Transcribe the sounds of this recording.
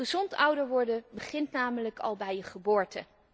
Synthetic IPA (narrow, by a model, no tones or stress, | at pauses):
əzɔntʌwdəɹʋɔɹdəbəχɪntnaːmələkʰɑ̰lˠbɛjəχəbʊːɹtə̰